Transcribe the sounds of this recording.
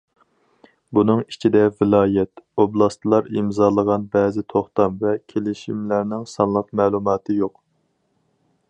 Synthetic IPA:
bunɨŋit͡ʃʰid̪ɛvɪlˠɑːjɛt̪oblˠɑst̪ɨlˠɑɾimzɑːlˠəʁɑnbɛːzɪt̪ʰoχt̪ɑmvɛkʲʰelɪʃimlæɾnɪŋsɑnlˠəqmɛːlˠumɑːt̪ʰɨjoq

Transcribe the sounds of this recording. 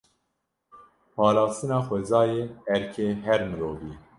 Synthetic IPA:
pɑːlɑːst̪ɨnɑːxʷɛzɑːjeːɛɾkʰeːɦɛɾmɨɾoːviː

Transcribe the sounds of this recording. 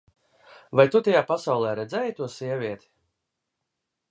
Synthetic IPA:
vajt̪ut̪ajaːpasawlˠɛːɾɛd̪zɛːjt̪uɔsiɛvʲiɛt̪ʲi̥

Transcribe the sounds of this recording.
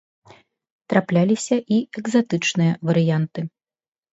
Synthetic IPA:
t̪ɾaplʲalʲisʲɐʔiɛɡzat̪ɨt͡ʂnɨjɐvɐɾɨjant̪ɨ

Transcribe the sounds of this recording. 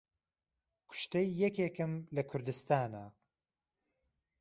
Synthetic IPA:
kʰʊ̥ʃt̪ejːɛkeːkɨmlɐkʰʊɾd̪ɨst̪aːna

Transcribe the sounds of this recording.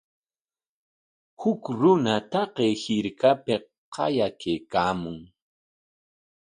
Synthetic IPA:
hʊkɾʊnat̪ɑqejhɪɾkapɪ | qʰɑ̰jakejkaːmʊŋ

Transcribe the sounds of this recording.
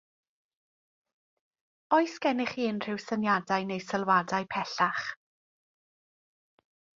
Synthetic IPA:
ɔɨsɡɛnɪχiːnr̥ɪwsənjadajnejsəlˠwadajpʰɛɬaχ

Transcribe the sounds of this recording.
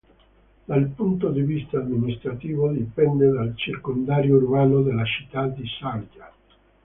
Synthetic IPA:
d̪̥alpunt̪od̪ivist̪aːd̪minist̪ɾat̪iːvod̪ipɛnd̪ed̪alt͡ʃirkond̪aːɾjoɾumaːnod̪elat͡ʃi̥t̪ːad̪isalɡa

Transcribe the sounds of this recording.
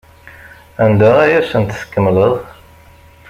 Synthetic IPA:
ænd̪əʁæjæsənt̪skːəmːləðˤ

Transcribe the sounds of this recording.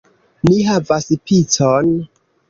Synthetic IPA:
niɦavaspit͡son

